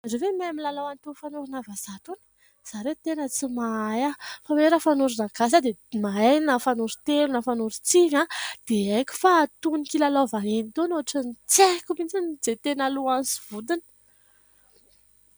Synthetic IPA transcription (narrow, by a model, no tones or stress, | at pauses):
azovemajamilalawant̪ufanuɾunavaz̥at̪uni̥ | z̥aɾet̪enət͡simaajafaweɾəfanuɾunaɡas̬ad̪emaejnafanuɾut̪elunafanuɾut͡sivãd̪̥eekʲi̥faːt̪unikilalovaninit̪onoaʈ͡ʂənit͡sekumit͡sinid͡zet̪enaluansi̥v̥ud̪inə̥